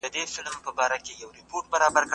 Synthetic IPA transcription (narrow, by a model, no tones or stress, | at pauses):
əd̪efɪlmpəbɑɾakejawɾɪpoɾʈ̚baɾɑbaɾk